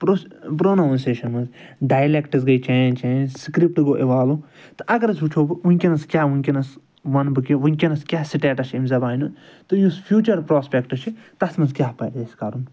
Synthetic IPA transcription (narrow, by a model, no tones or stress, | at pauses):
pɾospɾoːnonseːʃɐnmɐnzɖaːjlekʈɨzɡɐjt͡ʃaːnt͡ʃẽːnzskɾip̚ʈɡoːʔeʋaːlu | t̪ɨ̥ʔɐɡɐɾɐzut͡ʃʰoːbɨunʲkʲinɐskjaːʋunʲkʲinɐs | ʋɐnbɨkiʋɐnʲkʲinɐskʲjaːsiʈeːʈɐʃʰimzɐbaːinunt̪ɨjuspʰjuːt͡ʃɐɾpɾoːspʲekʈɐt͡ʃʰit̪ɐsmɐnzkʲjaːpɐjɾd̪eːsʲkɐɾun